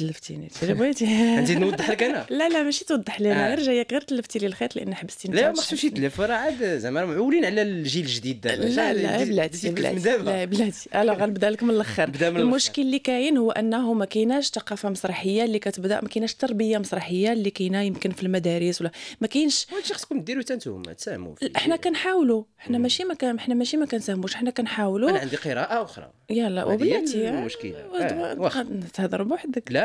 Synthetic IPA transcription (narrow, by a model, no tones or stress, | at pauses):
əlːəft̪ḭnit̪ilbæt̪inzinwɑˤːəħləkænlælæmæʃit̪wɑd̪ˤːəħlənæəɾʒajækiɾt̪əlːəft̪ililxet̪ˤlʔə̰nːħəbːə̥st̪inlmaħuʃit̪læfəɾˤɑʕad̪zæmæɾmaʕulinʕlælʒilʒd̪id̪lææ̰blæiblæ̰d̪æblæblæt̪i̥ʔælæɣænəbd̪æləkmənəlʔəxəɾbd̪æmlmʊʃkəllːikæjənhʊwːʔənːæɦumækæjnæʃt̪ɑqɑfɑmɑsˤɾˤɑħəjːalːikæt̪əbd̪æ̰ʔmækæjnæʃt̪ːɑɾˤbəjːamɑsˤɾˤɑħəjːalːikæjnæjəmkənfilmæd̪æɾəswlːæmækæjnʃæʃɑxskunmt̪̚d̪iɾwt̪ænt̪ṵhʊ̰mæ̰t̪sæhmṵfʔəħnækænħawluəħnæmæʃimækæħnæmæʃimækænsæhmuʃəħnækænħawlunʕnd̪iqəɾˤɑʔaʔʊxɾˤɑ̰ | jæl̰ːwəbəlæt̪imʊʃkə̰l̰ | t̪əhd̪ɑɾˤbuħd̪əkl